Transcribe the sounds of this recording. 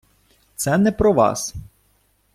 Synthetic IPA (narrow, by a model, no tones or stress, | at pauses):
t̪sɛnɛpɾɔʋɑ̰s